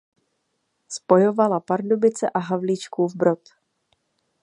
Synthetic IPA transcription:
spo̞jo̞valapaɾdobɪt͡sɛʔaɦavliːt͡ʃkuːvbɾo̞t̪

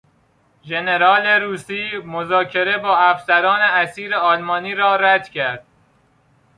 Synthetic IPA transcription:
ʒene̞ɾɒːleɾuːsiːmozɒːcʰe̞ɾe̞bɒːæfsæɾɒːneæsiːɾeɒːlmɒːniːɾɒːɾæd̪̥cʰæɾd̪̥̚

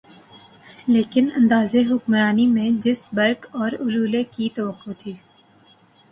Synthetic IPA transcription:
leːkɪnɐ̰̃nd̪aːzeɦʊkmɾaːnimẽd͡ʒɪsbɐɾkɔːɾʊluːlekit̪ɐʋəqːot̪ʰiː

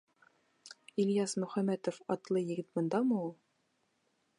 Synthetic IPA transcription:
ilʲjɑsmɵ̆χæmæt̪ofɑt̪lˠɤjɘ̆ɡɘt̪̚mɤ̆nd̪ɑmɤulˠ

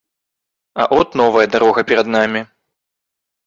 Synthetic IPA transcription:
ɐ̰ʔɔt̪nɔvɐjɐd̪aɾɔɣɐpʲɛɾɐd̪namʲi

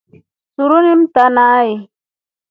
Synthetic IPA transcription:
sʊɾʊnɪmt̪anaj

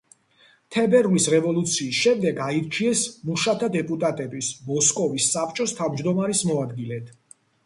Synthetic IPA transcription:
t̪ʰɛbɛɾlisɾɛvɔlˠut̪sʰiːsʃɛmd̪ɛɡaiɾt͡ʃʰiɛsmuʃat̪ʰad̪ɛpʼut̪ʼat̪ʼɛbismɔskʼɔvisːapʰt͡ʃʼɔst̪ʰavmd͡ʒd̪ɔmaɾismɔad̪ɡilɛt̪ʰ

